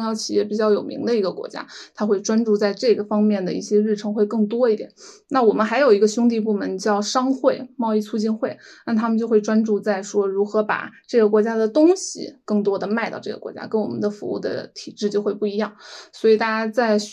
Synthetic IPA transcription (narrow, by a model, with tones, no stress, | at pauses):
ŋjɑ˥˩ʊt͡ɕʰi̥˨˩jɛ˥˩pi˨˩t͡ɕjɑ˥˩ʊjo˨˩ʊmḭ˧˥ŋd̪ə˧i˧˥ɡə˧kwɔ̰˧˥t͡ɕja̰˥t̪ʰa˥xwe˥˩ɪʈ͡ʂwa˥nʈ͡ʂu˥˧t͡sa˥˧ɪʈ͡ʂɤ˥˩ɡə˩fɑ˥ŋmjɛ˥˩nd̪ə̰˩ḭ˥˩ɕjɛ˥ɻ̩˥˩ʈ͡ʂʰɤ˧˥ŋxwe˥˧ɪkɤ˥˩ŋt̪wɔ˥i˥˩t̪jɛ̰˨˩˦nna˥˩wɔ˨˩mə˦nxa˧˥ɪjo˨˩ʊi˧˥ɡə˧ɕʊ˥ŋt̪̬i˥˧p̬u˥˩mə˧˥nt͡ɕjɑ˥˩ʊʂɑ˥ŋxwe˥˩ɪmɑ˥˧ʊi˥˩t͡sʰu˥t͡ɕi˥˧nxwe˥˩ɪna˥˩t̪ʰa˥mə˨nt͡ɕjʊxwe˥˧ɪʈ͡ʂwa˥nʈ͡ʂu˥˧t͡sa˥˩ɪʂwɔ˥ɻu˧˥xɤ˧˥pa̰˨˩ʈ͡ʂɤ˥˩ɡə˩kwɔ˧˥t͡ɕja˥d̪ə˨t̪ʊ˥ŋɕḭ˨˩kɤ˥˩ŋt̪wɔ˥d̪ə˨ma˥˧ɪt̪ɑ˥˧ʈ͡ʂɤ˥˩ɡə̰˨˩kwɔ̰˧˥t͡ɕja̰˥kə˥nwɔ̰˨˩mə˦nd̪ə˧fṵ˧˥ṵ˥˩d̪ə̰˧˩t̪ʰi˨˩ʈ͡ʂɻ̩˥˩˧t͡ɕjo˥˧ʊxwe˥˧ɪpu˥˩i˧˥jɑ˥˩ŋswɔ˧˥i˨˩t̪a˥˧˩t͡ɕa˥t͡sa˥˩ɪ